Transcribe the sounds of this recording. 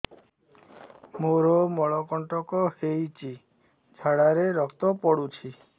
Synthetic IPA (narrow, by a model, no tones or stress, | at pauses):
moɾɔmɔɭɔkɔɳʈɔkɔhejt͡ʃi | d͡ʒʱaɽaɾeɾɔkʰt̪ɔpɔɽut͡ʃʰi